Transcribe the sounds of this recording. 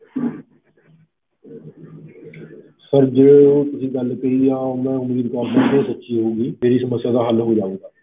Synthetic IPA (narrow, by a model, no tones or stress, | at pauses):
səɾd͡ʑeot̪ʊsĩːɡɐl̤kɐiaːomɛ̃ːʊmiːd̪kaːɾmãt̪ẽsɐtːʃiɦõːɡimeːɾisɐməsjaːd̪aɦəlɦod͡ʒaːũːɡ̪aː